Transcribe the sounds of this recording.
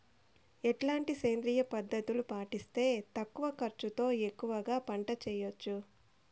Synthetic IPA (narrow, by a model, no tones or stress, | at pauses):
ɛʈlaːɳʈiseːnd̪ɾiːjɐpɐd̪ːɐt̪ulupaːʈist̪e̞ːt̪ɐkːuʋɐkɐɾt͡ʃut̪o̞ːe̞kːuʋɐɡaːpɐɳʈɐt͡ʃɛːjot͡ʃːu